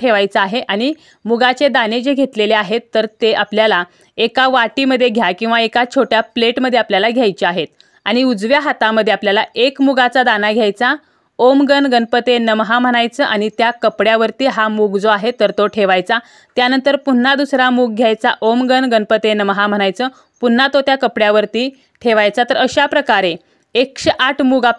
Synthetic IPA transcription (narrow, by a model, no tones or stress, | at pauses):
ʈʰeʋajt͡saːɦeʔaɽ̃i | muɡat͡ɕed̪aned͡ʑeɡʱet̪leleaɦet̪ːəɾt̪eʔapljala | ekaʋaʈiməd̪ʱːjeɡʱjakĩw̃ʋaekat͡ɕʰoʈjapleʈməd̪ʱːjeapljalaɡʱjajt͡ɕeaɦet̪̚ | aɽ̃iud͡zʋjaɦat̪ãməd̪ʱːjeapljalaekmuɡat͡sad̪anaɡʱjajt͡sa | omɡənɡənpət̪enəmɦam̤əɽ̃ajt͡səʔaɽ̃it̪jakəpɽjaʋəɾt̪iːɦamuɡd͡zoaɦet̪ːəɾt̪oʈʰeʋajt͡sa | t̪janənt̪əɾpun̤ːad̪usɾamuɡ̚ɡʱjajt͡sa̰ʔomɡənɡənpət̪enəmɦam̤əɽ̃ajt͡səː | pun̤ːat̪ot̪jakəpɽjaʋəɾt̪iː | ʈʰeʋajt͡sat̪əɾəɕapɾəkaɾe | ekɕeʔaʈʰmuɡa